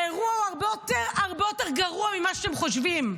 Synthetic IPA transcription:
eʁuauaʁbejoteʁaʁbejoteʁɡaʁuamimaʃeemχoʃvim

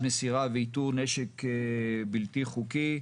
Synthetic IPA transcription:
mesiʁaveit̪uʁneʃek | bilt̪iχuki

